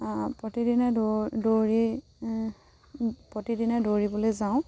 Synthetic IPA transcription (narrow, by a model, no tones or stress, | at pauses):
pɹɔtidinaddoɹi | pɹɔtidinadoɹibɔlezaʊ̃